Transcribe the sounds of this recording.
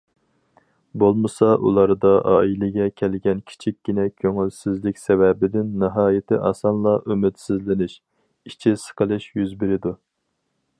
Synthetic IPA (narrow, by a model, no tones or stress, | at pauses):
bolˠmɨsɑʔṵlˠɑɾd̪ɑʔɑːilɪɡʲɛkʲʰɛlɡʲɛnkʲʰi̥t͡ʃʰikʲːinɛkʲʰøŋylsɪzlɪkʲsɛwɛbɪd̪ɪnːɨɦɑːjɪt̪ʰɪʔɑsɑnlˠɑʔømɪt̪sɪzlɪnɪʃ | it͡ʃʰisə̥qʰəlˠɨʃjyzbɪɾɪd̪u